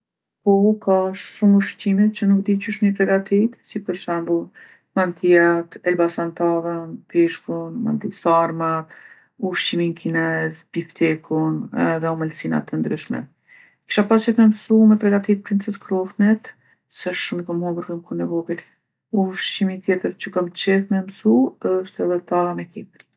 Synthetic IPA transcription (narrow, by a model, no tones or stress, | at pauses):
pɔkaʃʃumuʃcimit̪̚t͡ɕənuk̚d̪icuʃmipɾɛɡat̪it̪sipəɾʃɛmbu | mant̪ʰiat̪ɛlbasant̪avənpiʃkunma̰nt̪isaɾmat̪ | uʃt͡ʃiminkʰinɛzbift̪ɛkʰunɛðɛɔmalsina̰t̪ːənd̪ɾyʃmɛ̰ | ki̥ʃapast͡ʃɛt̪mɛmsumɛpɾɛɡat̪it̪̚pɾint͡sɛskɾɔfnɛt̪ | sɛəʃʃumikamhɔmbəɾkəmkunɛvɔbil | uʃt͡ʃimit̪jɛt̪əɾt͡ɕəkamt̪t͡ɕɛθmɛmsuəʃt̪ɛðɛt̪amɛkip